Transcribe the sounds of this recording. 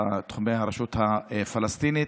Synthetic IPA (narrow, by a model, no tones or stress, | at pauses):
at̪χumejhaɾaʃut̪haefalast̪ini